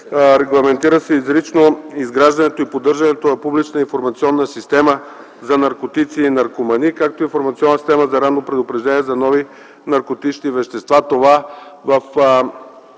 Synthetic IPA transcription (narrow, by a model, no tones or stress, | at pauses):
ɾɛɡlˠɐmɛnt̪iɾəsɛizɾit͡ʃnoizɡɾaʒd̪ɐnɛt̪oipod̪ɤɾʒɐnɛt̪onɐpublit͡ʃnəinfoɾmɐt̪siɔnːəsist̪ɛmə | zɐnɐɾkot̪it̪siːnɐɾkomɐnikak̚t̪oinfoɾmɐt̪siɔnːəsi̥st̪ɛməzɐɾanːopɾɛd̪opɾɛʒd̪ɛniɛzɐnɔvi | nɐɾkot̪it͡ʃnivɛʃt̪ɛst̪vat̪ovavɐf